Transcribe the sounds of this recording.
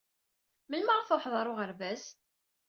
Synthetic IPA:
məlmaʁθoħðˤɑɾˤʊʁəɾvæs

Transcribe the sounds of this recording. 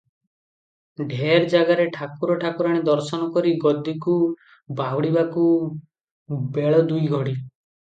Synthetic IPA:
ɖʱeɾd͡ʒaɡaɾeʈʰakuɾɔʈʰakuɾaɽ̃id̪ɔɾsɔnɔkɔɾiɡɔd̪iku | baɦwɽibaku | beɭɔd̪ujɡʱɔɽi

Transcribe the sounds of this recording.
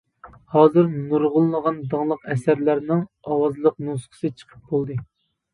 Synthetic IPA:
hɑːzɨɾnuɾʁʊlˠːəʁɑnd̪əŋlˠəqɛsæɾlæɾnɪŋ | ɑwɑzlˠəq̚nusqʰə̥sɨt͡ʃʰə̥qʰə̥p̚bolˠd̪ɨ

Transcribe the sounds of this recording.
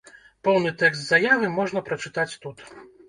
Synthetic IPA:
pɔwnɨt̪ɛkst̪zɐjavɨmɔʐnɐpɾɐt͡ʂɨt̪at͡sʲt̪ut̪

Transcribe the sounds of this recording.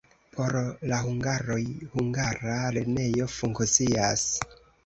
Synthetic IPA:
pʰo̞ɾlaɦuŋɡaɾo̞jhuŋɡaɾale̞ne̞jo̞fuŋkt͡sias

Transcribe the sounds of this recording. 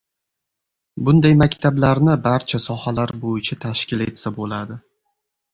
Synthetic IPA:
bʊnd̪ajmakʲt̪ʰablaɾnɪbaɾt͡ʃʰasɒhalaɾbojɪt͡ʃʰat̪ʰaʃkʲɪle̞t̪sabolad̪ɪ

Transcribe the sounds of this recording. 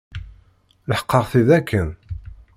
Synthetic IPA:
ləħə̥qːɑʁθiðækʰːən

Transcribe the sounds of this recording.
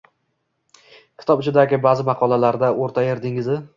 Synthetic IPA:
kʲʰɪ̥t̪ʰɒpɪt͡ʃʰɪd̪aɡʲɪbazɪmɑqʰɒlˠalaɾd̪aoɾt̪ʰajɪɾd̪ɪŋɪzɪ

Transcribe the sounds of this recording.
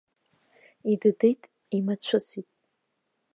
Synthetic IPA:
idɨdejtʼ | imat͡ɕʷʰʊsitʼ

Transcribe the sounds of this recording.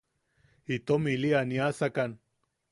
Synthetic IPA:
it̪omilianiasakan

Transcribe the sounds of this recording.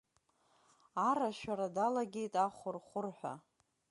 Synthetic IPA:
aɾaʃᶣaɾadalaɡʲe̞jtʼaχʷʊrχʷʊrħʷᶣa̰

